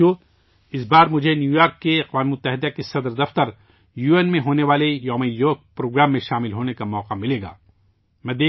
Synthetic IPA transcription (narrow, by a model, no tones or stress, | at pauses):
o | ɪsbaːɾmʊd͡ʒʱenjuːjaːɾkːeɐqʋaːmemʊt̪ːəɦɪd̪akesɐd̪ɾd̪ɐft̪əɾ | juːeːnmẽɦoːneʋaːlejɔːmejoːk̚pɾoːɡɾaːmːẽʃaːmɪlɦoːnekamɔːqamɪleːɡa̰ː | mɛ̃ːd̪eː